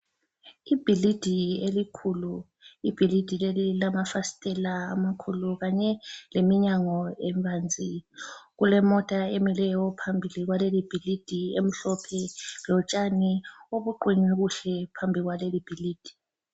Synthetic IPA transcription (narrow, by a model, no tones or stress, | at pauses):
ib̥ʱilid̥ʱielikʰulu | ib̥ʱilid̥ʱilelilamafasi̥tʼɛlaːmakʰuluɣaɲɛlemiɲaŋɔeɱbʱand͡zʱiɣulɛmɔtʼaemilɛjɔpʰambʱiliɣwalelib̥ʱilid̥ʱiem̩ɬɔpʰɛlɔt͡ʃʼanioβuǃiniɣuɬɛpʰambʱiɣwalelib̥ʱiliːd̥ʱi̥